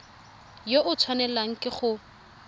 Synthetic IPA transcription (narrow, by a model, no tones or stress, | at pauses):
joʔʊt͡sʰwanɛlaŋ̩kʼɪχʊ